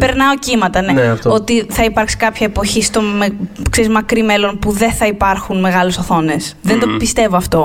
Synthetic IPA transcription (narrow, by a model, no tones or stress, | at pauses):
peɾnɐo̞cimɐt̪ɐneeft̪o̞t̪iθɐipɐɾksi̥kɐpçɐepo̞çist̪o̞mekseɾizmɐkɾime̞lo̞npuðe̞nθɐipɐɾxunme̞ɣɐlusoθo̞ne̞sðend̪opist̪e̞voɐft̪o̞